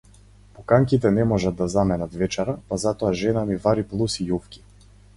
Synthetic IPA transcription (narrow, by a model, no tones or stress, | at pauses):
pɔkaŋkit̪ɛnɛmɔʒad̪ːazamɛnat̪vɛt͡ʃaɾapazat̪ɔaʒɛnamivaɾiplˠusijufkʲi̥